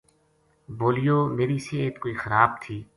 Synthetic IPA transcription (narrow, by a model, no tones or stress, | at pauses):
boːlijoːmeːɾiseːt̪koːixɐɾaːb̚t̪ʰiː